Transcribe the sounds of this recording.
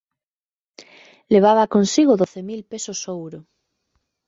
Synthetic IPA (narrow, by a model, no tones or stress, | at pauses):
leβ̞aβ̞akonsiɣoðoθemilpesosowɾo